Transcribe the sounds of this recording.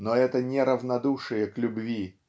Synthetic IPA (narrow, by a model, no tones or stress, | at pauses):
nɔɛt̪ənʲɛɾɐvnad̪uʂɨjəklʲʊbvʲi